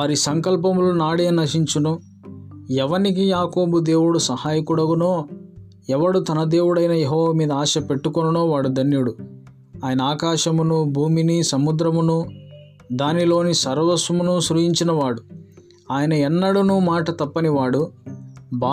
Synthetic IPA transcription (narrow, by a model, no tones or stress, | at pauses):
aːɾisɐŋkɐlp̬ɐmulunaːɽeːnɐʂiɲt͡ʃunu | ɛʋɐnikijaːko̞ːbud̪e̞ːwuɽusɐhaːjɐkuɽɐɡunoː | ɛʋɐɽut̪ɐnɐd̪e̞ːwuɽɐjnɐjeɦɔːʋɐmiːd̪ɐaːʃɐpe̞ʈːukonɐno̞ːʋaːɽud̪ɐnjuɽu | aːjɐnɐaːkaːʃɐmunubʱuːminisɐmud̪ɾɐmunu | d̪aːnilo̞ːnisɐɾʋɐsumunuʃɾujiɲt͡ʃinɐʋaːɽu | aːjɐnɐɛnːɐɽunuːmaːʈɐt̪ɐpːɐniʋaːɽu | bʱaː